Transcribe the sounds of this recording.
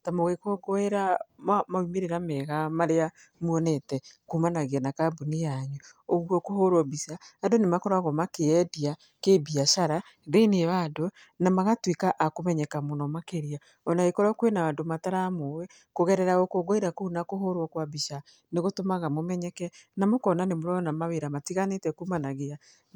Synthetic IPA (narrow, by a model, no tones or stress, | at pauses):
tamoɣekoɡɔeɾamamaimeɾeɾamɛɣamaɾea | mwɔnɛtɛkumanaɣeanakabunijaɲu | oɣuɔkohoɾwɔbisaːdonemakɔɾaɣɔmakeɛdia | kebiaʃaɾa | ɾeneβado | namaɣatwekaʔakomɛɲɛkamonɔmakeɾia | ɔnaɣekɔɾɔkwenaandomataɾamowɛ | koɣɛɾɛɾaɣokoɡoiɾakounakoɦoɾwɔkwabiʃa | neɣotomaɣamomɛɲɛkɛnamokɔnanemoɾɔnamaβeɾamatiɣanetɛkuːmanaɣea